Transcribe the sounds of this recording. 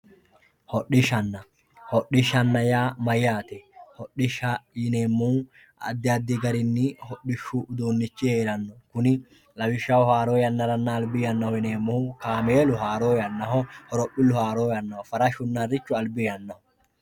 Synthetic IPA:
hɔɗɪʃɐnːɐ | hɔɗɪʃɐnːɐjaːmɐjːaːt̪ɛhɔɗɪʃɐjɪne̞ːmːʊ | ɐ̰d̪ːɪɐd̪ːɪɡɐɾɪnːɪhɔɗɪʃːuʊd̪uːnːɪt͡ʃːɪhe̞ːɾɐnːɔkʊnɪ | lɐwɪʃːɐwɔhaːɾoːjɐnːɐɾɐnːɐːlbɪjɐnːɐhɔjɪne̞ːmːʊhʊkaːmeːlʊɦaːɾoːjɐnːɐɦɔhɔɾɔpːɪlʊhaːɾoːjɐnːɐhɔfɐɾɐʃʊnːɐɾːɪt͡ʃːʊɐlbɪjɐnːɐhɔ

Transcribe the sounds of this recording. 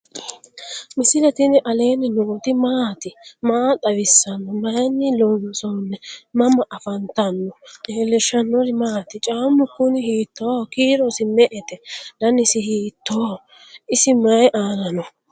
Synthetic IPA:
mɪsɪlɛt̪ɪnɪʔɐleːnɪnoːt̪ɪmaːt̪ɪmaːt̪ʼɐwɪsːɐnːɔmɐjnːɪlɔnsɔnːɛmɐmɐʔɐfɐnt̪ɐnːɔʔeːlɛʃɐnːɔɾɪmaːt̪ɪt͡ʃʼaːmːʊkːʊnɪhiːt̪ːoːkiːɾɔsɪmɛʔɛt̪ɛlɐnɪsɪhiːt̪ːoː | ɪsɪmɐjʔaːlɐnɔ

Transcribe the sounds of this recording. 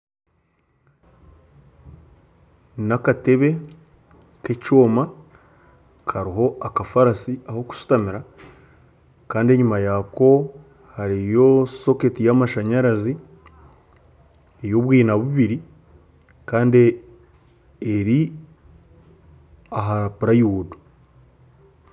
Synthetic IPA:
nakate̞βe̞ | ke̞coːma | kʰaɾiɦo̞akafaɾasiaho̞ku̥su̥tamiɾa | kaːndie̞ɲumajako̞ | haɾijo̞so̞ke̞tijamaʃaɲaɾazi | ejo̞βwiːnaβuβiɾi | kaːnde | eɾi | aɦaapuɾajuudo

